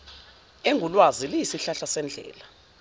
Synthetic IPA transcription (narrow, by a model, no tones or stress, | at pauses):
eŋulwazilijisiɬaɬasɛnd͡ɮʱɛ̰ːla